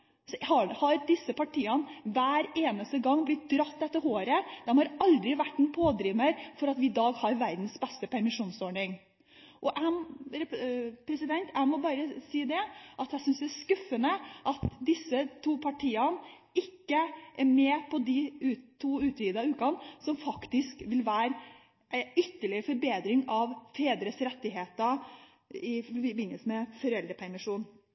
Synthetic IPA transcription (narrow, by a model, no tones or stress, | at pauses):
sɔhɑhɑɾd̪ɪsːəpɑʈʰiːɑnʋæːɾeːnəst̪əɡɑŋːblɪt̪̚d̪ɾɑt̪ːɛt̪ːəɾhoːɾəd̪̥ɛmhɑɾɑld̪ɾɪʋæʈːɛnpʰoːd̪ɾiːməɾfɔɾɑt̪ʋɪɪd̪ɑːɡhɑɾʋæɾd̪n̩sbɛst̪əpʰæɾmɪʂuːnsɔɳɪŋ | ʔɔʔæmɾɛpʰɾɛsɪd̪ɛnt̪æɪmɔbɑːɾəsiːd̪ɛʔɑt̪æɪsʏnsd̪ɛæskʉfːənəʔɑt̪d̪ɪsːət̪ʰuːpʰɑʈʰiːɑn | ɪkːəʔæɾmɛːpʰɔd̪ɪʉt̪ʰːuːʉːt̪ʰɾiːd̪ɑʉːkɑnsɔmfɑkt̪ɪskʋɪlʋæːɾ | ʔæɪʏt̪ːəɭɪɾəfɔɾbeːd̪ɾɪŋɑʋfeːd̪ɾəsɾɛt̪ːɪɦeːt̪ə | ɪfɔɾbɪnəlsəmɛfɔɾɛlɾəpʰæɾmɪʂuːn